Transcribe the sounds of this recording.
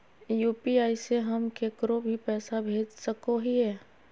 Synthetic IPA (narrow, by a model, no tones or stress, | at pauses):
juːpiaːiseɦəmkeːkɾobʱipɛːsabʱeːd͡ʒsəkoɦiɦɛː